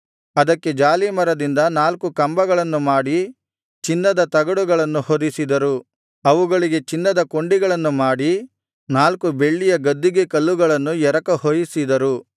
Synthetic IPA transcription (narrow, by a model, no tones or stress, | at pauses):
ɐd̪ɐkːe̞d͡ʒaːlimɐɾɐd̪ind̪ɐnaːlkukɐmbɐɡɐɭɐnːumaːɽi | t͡ʃinːɐd̪ɐt̪ɐɡɐɽuɡɐɭɐnːuhod̪isid̪ɐɾu | ɐʋuɡɐɭiɡe̞t͡ʃinːɐd̪ɐko̞ɳɖiɡɐɭɐnːumaːɽi | naːlkube̞ɭːijɐɡɐd̪ːiɡekɐlːuɡɐɭɐnːujɛɾɐkɐhoːjisid̪ɐɾu